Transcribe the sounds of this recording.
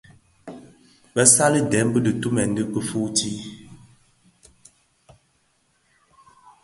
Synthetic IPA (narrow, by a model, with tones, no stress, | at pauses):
bɛ˦sa˦lə˦dɛ˨˦m˦bə˦də˨tu˦mɛ˨n̩˦də˦pə˦fu˦ti˦